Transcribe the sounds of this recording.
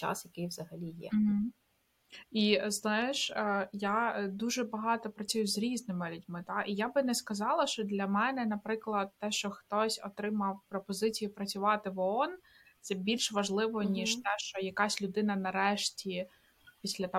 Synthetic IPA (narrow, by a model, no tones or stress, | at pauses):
t͡ʃa̰sjɐkɪjʋzɐɦɐlʲijɛ̰m̩ɦ̩ | iznɑjɪʃjad̪uʒɛbɐɦɑt̪ɔpɾɐt͡sʲujʊzʲɾʲiznɪmɪlʲʊdʲmɪt̪ɑʔijabɪnɛskɐzɑlˠɐʃt͡ʃɔd̪lʲɐmɛnɛnɐpɾɪklˠɐd̪̚t̪ɛʃt͡ʃɔxt̪ɔsʲɔt̪ɾɪmɐwpɾɔpɔzɪt͡sʲijipɾɐt͡sʲʊʋɑt̪ɪʋɔɔn | t̪sɛbʲilʲʃʋɐʒlˠɪʋɔnʲiʃt̪ɛʃt͡ʃɔjɐkɑsʲlʲʊd̪ɪnɐnɐɾɛʃtʲi | pʲisʲlʲɐt̪